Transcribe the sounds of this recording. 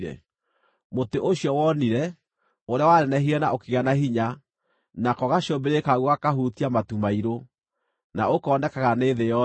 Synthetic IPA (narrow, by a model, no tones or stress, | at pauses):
ɾɛ̰ | moteʔoɕjɔwɔniɾɛ | oɾeawaɾɛnɛɦiɾɛnaʔokeɣanaɦiɲa | nakɔɣaɕobeɾekaɣwakaɦutiamatumaiɾo | na̰okɔnɛkaɣaneːðejɔ